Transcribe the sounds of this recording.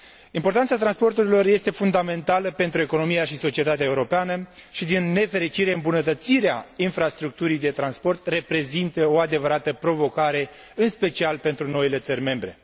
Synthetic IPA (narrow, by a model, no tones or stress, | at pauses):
impo̞rt̪ansat̪ɾanspo̞rt̪uɾilo̞rje̞st̪e̞fund̪ame̞nt̪aləpe̞nt̪ɾue̞kono̞mijaʃiso̞t͡ʃie̞t̪at̪eaeuɾo̞peanəʃid̪inːe̞fe̞ɾit͡ʃiɾe̞ɨmbunət̪ət̪siɾeainfɾast̪ɾuk̚t̪uɾijd̪e̞t̪ɾanspo̞rt̪re̞pɾe̞zint̪əo̞ad̪e̞vəɾat̪əpɾo̞vo̞kaɾe̞ | ɨnspe̞t͡ʃialpe̞nt̪ɾuno̞ile̞t̪sərʲme̞mbɾe̞